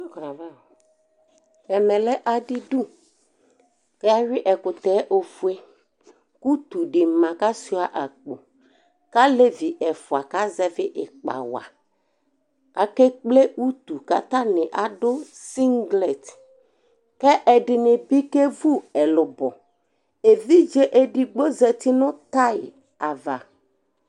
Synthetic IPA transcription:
knã˨va˦˨ | ɛ˨mɛ˨lɛ˦ʔa˨dɪ˦du˦ | kɛ˦a˦ɾɪ˦ʔɛ˨kʊ˨t̪ɛ˨˦ʔo˨fu˨˦e˦ | ku˦t̪u˨ɖɪ˨mã˨ka˦si˦a˨ʔa˨k͡po˨ | ka˦le˦vi˨ʔɛ˨fʊ˨a˨ka˦zɛ˦vɪ˦ʔɪ˨k͡pa̰˨wa̰˨ | a˨ke˦k͡ple˦u˦t̪u˨ka̰˦t̪ã˦nɪ̃˨ʔa˨dʊ˦si˦ŋɡlɛ˨t̪ | kɛ˦ʔɛ˨ɖɪ˨nɪ̃˨bi˦ke˦vu˦ɛ˨lʊ˨bɔ˨ | e˨vi˦d͡ʒe˦ʔe˦ɖɪ˨ɡ͡bo˦zɛ˨t̪ɪ˦nʊ̃˦t̪a˦ɪ˨ | a˨va˨

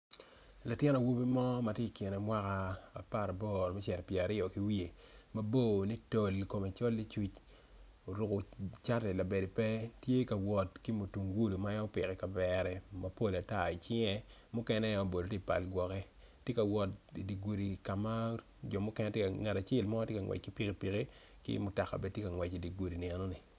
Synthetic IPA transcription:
la˨tjɪ˦na˨wu˦bi˦mɔ˦ma˨tje˦i˨ki˨nɛ˨mwa˦ka˦a̰˨pa˦˨ɾa˨bɔ˦˨ɾmɛ˦t͡ʃɛ˨ɾpje˨a˨ɾɪ˦ɔ˨ki˦wi˦e˨ | ma˦bo˦˨ni˦to˨lko˨ma˨t͡ʃɔ˦lːi˦t͡ʃu˦t͡ʃ | o˨ɾu˨ko˨t͡ʃa˦tɛ˨la˨be˨de˨pɛ˦tje˦ka˨wɔ˨tki˦mu˨tu˨ŋɡu˦lu˨ma˦ja˦o˦pɪ˨kɛ˨ka˨bɛ˨ɾɛ˨mɐ˦po˦la˨ta˦˨i˨t͡ʃɪ˦ŋɛ˦mʊ˦kɛ˦nɛ˦o˦bo˨do˨ti˦˨pa̰˨lɡwɔ˨kɛ˦ | tje˦ka˨wɔ˨ti˨di˨ɡu˨ɾi˨ka˨ma˦ | d͡ʒɔ˨mʊ˦kɛ˦nɛ˦tje˦ka˨ŋɛ˨ta˨t͡ʃe˦lmɔ˦tje˦ka˨ŋwɛ̰˨t͡ʃ̚ki˦pi˦ki˦pi˨ki˦ | kḭ˦mʊ˨ta˨ka̰˨bɛ˦tje˦ka˨ŋwɛ˨t͡ʃi˨di˨ɡu˨ɾi˨ni˨ɛ˨nɔ˦ni˨

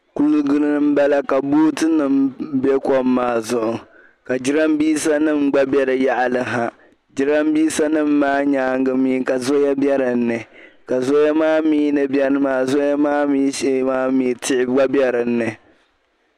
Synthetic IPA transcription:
ku˦lu˦ɡɨ˦ɾɨ˦nɨ˦m̩˦ba˦la˦ka˨buː˦tɨ˦nɨ˦mbe˦kɔ˦mːaː˦zʊ˦ʔʊ˨ | ka˨d͡ʒɪ˦ɾa˦mbiː˦sa˦nɨ˦mɡ͡ba˦bɛ˦ɾɨ˨ja˦ʔa˨lɨ˦ɦa˨ | d͡ʒi˦ɾa˦mbiː˦sa˦nɨ˦mːaː˦ɲaː˦ŋɡɨ˦miː˦ka˨zo˦ja˦bɛ˦ɾɨ˨n̩ːɨ˨ | ka˨zo˦ja˦maː˦miː˦nɨ˨bjɛ˦ɾɨ˦maː˦zo˦ja˦maː˦miː˦ʃɛ˦maː˦mi˨˦tɪ˦ʔɪ˦ɡ͡ba˦bɛ˦ɾɨ˨nːɨ˨

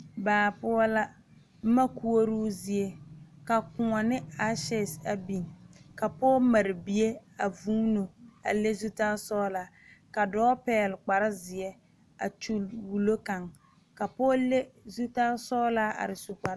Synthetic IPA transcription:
baː˨pʊ˦ɔ˦la˦ | ma˦ku˦o˦ɾuː˦zi˨e˦ka˨kʊ˨ŋɔ˨nɪ˦a˦ʃɛ˦˨sa˨bi˨ŋ˨ka˨pɔː˦ma˨ɾɪ˨bi˨e˦a˨vuː˦no˨a̰˨le˦zu˦taː˦sɔː˦la˨˦ | ka˨dɔː˦pɛː˨˦˨lɪ˨k͡pa˨ɾɪ˦zɪ˨ɛ˦ | a̰˨t͡ʃu˦lwu˨lo˦ka˨ŋ | ka˨pɔː˦le˦zu˦ta˦sɔː˦laː˦a̰˨ɾɪ˨su˨k͡pa˨ɾ

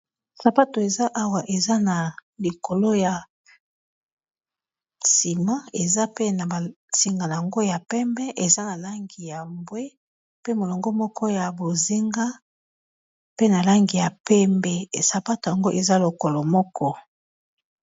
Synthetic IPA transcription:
sa˨pa˦to˨e˨za˦ʔa˦wa˨ʔe˨za˦na˨li˨ko˨lo˦ja˨ | si˨mã˦e˨za˦pe˦na˨ba˨ | si˨ŋɡa˨n˨a˨ŋɡo˦ja˨pɛ˦mbɛ˦ʔe˨za˦na˨la˦ŋɡi˨ja˨mbwe˦ | pe˦mo˨lo˨ŋɡo˦mɔ˦kʰɔ˦ja˨bo˨zi˦ŋɡa˦ | pe˦na˨la˦ŋɡi˨ja˨pɛ˦mbɛ˦˨sa˨pa˦to˨ja˨ŋɡo˦ʔe˨za˦lo˨ko˨lo˨mɔ˦kʰɔ˦

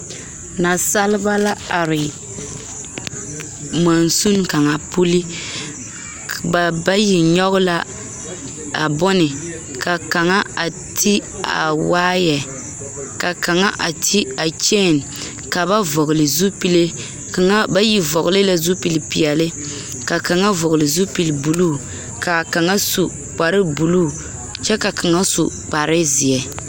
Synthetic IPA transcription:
na˨sa˦lɪ˦ba˦la˦a˨ɾɪ˨ | ma˨n˨su˦nka˨ŋa˨pu˦li˦ | ba˨ba˦ji˨ɲɔ˦ɣʊ˦la˦ | a̰˨bɔ˦nɪ˨ | ka˨ka˨ŋa˦a˨ | tʰi˦ | a̰˨waː˦jɛ˨ | ka˨ka˨ŋa˦ʔa˨tʰi˦a˨t͡ʃeː˦˨n | ka˨ba˦vɔ˨ɡʊ˨lɨ˨zu˦pi˨le˦ | ka˨ŋa˦ba˦ji˨vɔ˨ɡʊ˨lɨ˦la˦zu˦pi˨li˨pi˨jɛ˨lɪ˦ | ka˨ka˨ŋa˦vʊ˨ɣʊ˨lɨ˨zu˦pi˨lbu˨luː˦˨ | ka˨ka˨ŋa˦su˨ | k͡pa˨ɾɪ˦bu˨luː˦˨ | t͡ʃɛ˦ka˨ka˨ŋa˦sṵ˨ | k͡pa˨ɾɪ˦zi˨ɛ˨

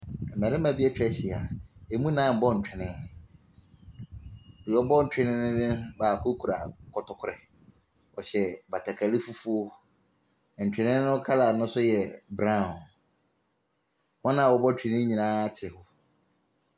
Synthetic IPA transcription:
ɛ˨mɛ̃˨ɾɪ̃˦mã˨bi˦ɛ˦t͡ɕᶣɛ˦ɕɪ˨a˨e˨mũ˦nãː˦˨bɔ˦n̩˨t͡ɕᶣɛ˨nɪ̃˦˨ | i˨ɔ˦bɔ˦n̩˨t͡ɕᶣɪ˦nɪ̃˦nʊ̃˦nɪ̃˦baː˨kʰʊ˦kʰu˨ɾa̰˨kʰɔ˨tʰɔ˨kʰʊ˦ɾɛ˨ | ɔ˨ɕɛ˨ba˨tʰa˨kʰa˨lɪ˦fu˦fu˦o˦˨ | n̩˨t͡ɕᶣɛ˨nɪ̃˦nʊ̃˦kʰa˦la˨nʊ̃˦sʊ˦jɛ˨bɾã˦˨ | hɔ˦nã˦˨wɔ˨bɔ˦t͡ɕʰᶣɛ˨nɪ̃˦ɲĩ˨nãː˦tʰɪ˨hʊ˦

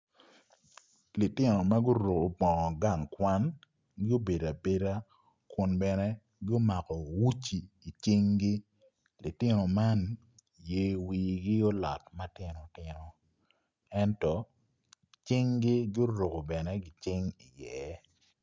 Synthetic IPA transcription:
li˨tɪ˦no˨ma˦ɡʊ˦ɾo˨ko˨bɔ˨ɔ˨ɡa˦˨ŋkwa˦n | ɡɪ˦o˦be˨da˨be˦da˦ | kʊ˨nbɛ˨nɛ˦ | ɡo˦ma˨kɔ˨wu˦t͡ʃi˨i˨t͡ʃɪ˦ŋɡi˦ | li˨tɪ˦no˨ma˦n | je˦wiː˨ɡi˦o˦lɔ̰˨tma˦tɪ˦no˨tɪ˨no˨ | ɛ˦ntɔ˨ | t͡ʃɪ˦ŋɡi˦ɡɪ˦o˦ɾo˨ko˨bɛ˨nɛ˦ɡi˨t͡ʃɪ˦ŋi˨jɛ˨

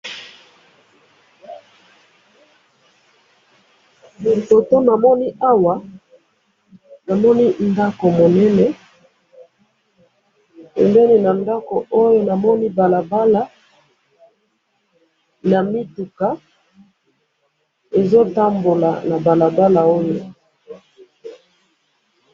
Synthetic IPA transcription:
mi˨to˨to˦na˨mɔ˦ni˦a˦wa˨ | na˨mɔ˦ni˦nda˦ko˨mo˨nɛ˦nɛ˦ | pɛ˨mbɛ˦ni˨na˨nda˦ko˨ʔo˦jo˦na˨mɔ˦ni˦ba˨la˨ba˦la˦ | na˨mi˦tu˨ka˨ | e˨zo˦ta˦mbo˨la̰˨na˨ba˨la˨ba˦la˨o˦jo˨

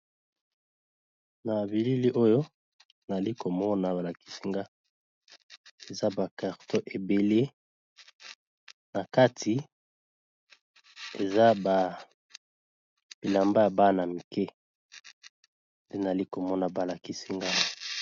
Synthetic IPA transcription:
na˨bi˨li˦li˦ʔo˦jo˦ | na˨li˦ko˨mɔ˦na˨ba˨la˨ki̥˦si˦ŋɡa˦ | e˨za˦ba˨ka˨ʁto˦ʔe˨be˨le˦ | na˨ka˦tʰi˨ | e˨za˦ba˨ | bi˨la˨mba˦a˨ba˦na˨mi˨kɛ˦ | de˦na˨a˨li˦ko˨mɔ˦na˨ba˨la˨ki˦si˦ŋɡa˦

